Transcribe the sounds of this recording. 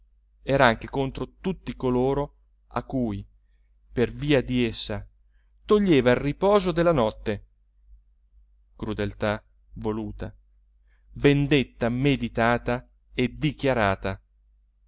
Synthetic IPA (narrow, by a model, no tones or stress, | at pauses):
ɛːɾaaŋk̟ekont̪ɾot̪ut̪ːikoloːɾo | a̰kːuːj | perviːad̪iesːa | t̪oʎːeːvailripɔːzod̪elːanɔt̪ːe | kɾud̪elt̪a | voluːt̪a | vend̪et̪ːamed̪it̪aːt̪a | ed̪ikjaɾaːt̪a